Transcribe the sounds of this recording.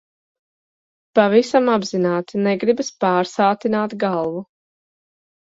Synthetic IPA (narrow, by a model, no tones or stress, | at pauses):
pavisamabzinaːt̪nɛɡɾibspaːɾsaːt̪inaːt̪ɡalˠvu